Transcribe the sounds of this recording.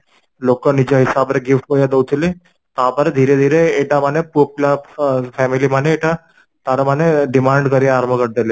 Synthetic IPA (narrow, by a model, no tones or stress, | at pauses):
lokənid͡ʑaɦisabɾeɡifʈɦojad̪owt̪ile | t̪abəɾed̪ʱiɾed̪ʱiɾeːʈamanepuplafʰɛmilimaneːʈa | t̪aɾamaneɖimaɳɖkəɾiaɾəmʱəkəʈ̚d̪ele